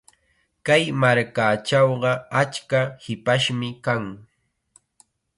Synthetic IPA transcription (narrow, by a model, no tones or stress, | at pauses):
kajmaɾkaːt͡ʃɑwɢɑat͡ʃkahɪpaʃmɪkaŋ